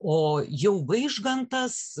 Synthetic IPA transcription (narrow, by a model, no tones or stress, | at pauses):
oːjɛʊʋɐɪʒɡɐnt̪ɐs